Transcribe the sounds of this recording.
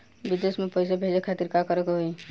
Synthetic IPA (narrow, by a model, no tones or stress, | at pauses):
bid̪esmẽpəjs̬ebʱed͡ʒekʰat̪iɾkakəɾekeɦoi